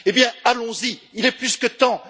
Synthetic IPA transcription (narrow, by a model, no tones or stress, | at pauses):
ebjɛ̃alɔ̃ziilɛplyskət̪ɑ̃